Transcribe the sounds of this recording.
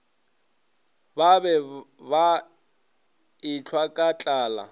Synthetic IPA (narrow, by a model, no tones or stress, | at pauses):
babɛba | ɪt͡ɬʰwakʼat͡ɬʼaːla̰